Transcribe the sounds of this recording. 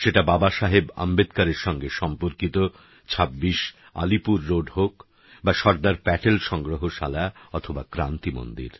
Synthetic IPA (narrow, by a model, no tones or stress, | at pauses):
ʃeʈababaʃaɦeba̰mbed̪kaɾeɾʃɔŋɡeʃɔmpoɾkit̪o | t͡ɕʰabːiʃ | a̰lipuɾːoɖɦok | baʃɔɾd̪aɾpɛʈelʃɔŋɡɾoɦoʃalaɔt̪ʰobakɾant̪imo̰nd̪ḭɾ